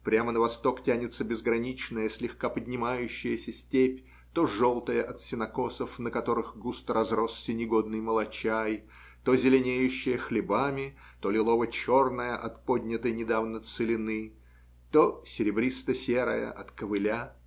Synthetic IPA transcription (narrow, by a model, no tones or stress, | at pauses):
pɾʲamənəvɐst̪o̞ktʲanʲɪt̪səbʲɪzɡɾɐnʲit͡ɕnəjəsʲlʲɪxkapədʲnʲɪmajʉɕːɪjəsʲəsʲtʲepʲ | t̪o̞ʐo̞lˠt̪əjəʔɐt̪sʲɪnɐko̞səfnəkɐt̪o̞ɾɨxɡust̪rɐzro̞ssʲənʲɪɡo̞d̪nɨjməlˠɐt͡ɕaj | t̪o̞zʲɪlʲɪnʲejʉɕːɪjəxlʲɪbamʲɪ | t̪o̞lʲɪlˠo̞vət͡ɕo̞rnəjəʔɐt̪po̞dʲnʲɪt̪əjnʲɪd̪avnət̪sɨlʲɪnɨ | t̪osʲɪɾʲɪbɾʲist̪əsʲeɾə̰jə̰ʔɐt̪kəvɨlʲa